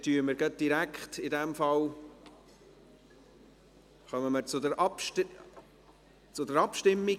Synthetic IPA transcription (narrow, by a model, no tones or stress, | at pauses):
tyːəməɾɡ̥ət̚d̥iɾækχtɪdɛmfɑl | χœməməɾt͡sʊdəɾʔɑp | t͡sʊdəɾɑpʃtɪmːi